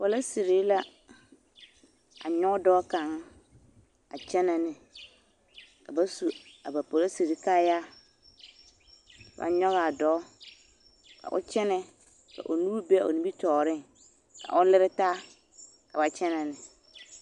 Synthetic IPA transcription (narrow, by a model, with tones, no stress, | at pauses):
pɔ˨la˦si˨ɾi˨˦la˦ | a̰˨ɲɔ˦dɔː˦kã˨˦ŋ | a˨t͡ʃʰɛ˦nã˨nɪ̃˨ | ka˨ba˦su˨a˨ba˨pɔ˨la˦si˨ɾi˦ka˦ja˦˨ | ba̰˨ɲɔ˦ɣa˨a˨dɔː˦ | kʰa̰˨ʔʊ̰˦t͡ʃɛ˦nɛ˦ | ka̰˨ʔo˨nũ˦ɾu˦be˦a˨o̰˨nĩ˨˦bi˦tʰɔː˨ɾɪ̃˦ŋ | kʰa̰˨ʔʊ˦lɪ˦ɾɪ˦taː˦ | ka˨ba˨t͡ɕʰɛ˦nã˨nɪ̃˨